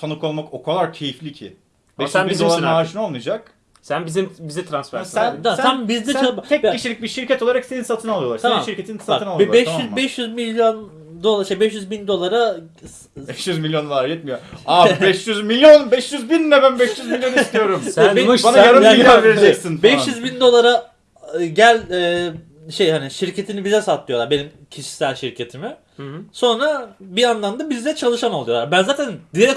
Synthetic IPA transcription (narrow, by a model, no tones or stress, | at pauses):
t̪ʰanuko̞lˠmako̞kʰalˠaɾcʰe̞jiflʲicʰḭ | bɛʃyniolˠamaʃinolˠmujd͡ʒak̚ | sænbizimbizit̪ʰɾansfæɾsænsanbizd̪ɛst͡ʃalˠt̪ʰɛk̚ʰːiʃilʲic̚biɾʃiɾcʰɛt̪oaɾakseninsat̪ʰɯnalˠɯjoaɾsaniʃiɾcʲʰe̞t̪ʰinsat̪ʰɯnalˠɛbɛʃyzbɛʃjyzmilʲjon | d̪o̞lˠaʃebɛʃjyzbind̪o̞lˠaɾa | bɛʃjyzmilʲjond̪o̞lˠaɾjɛt̪mijoabɛʃjyzmilʲjonbɛʃjyzbinːɛbænbɛʃjyzmilʲjo̞nijo̞ɾumɛbanaɡaɾajaaveɾid͡ʒɛcsinbɛʃjyzbind̪o̞lˠaɾa | ɟælʲɛː | ʃejhaniʃiɾcʰe̞t̪ʰinibizɛsat̪ʰlˠɯjo̞lˠaɾbenim | cʰiʃi̥sælʲʃiɾcʰe̞t̪ʰimɪ | so̞nɾabianlˠamd̪abizlʲɛt͡ʃʰalˠɯʃanolˠujo̞lˠaɾbænzaːt̪ʰænd̪ieɾɛk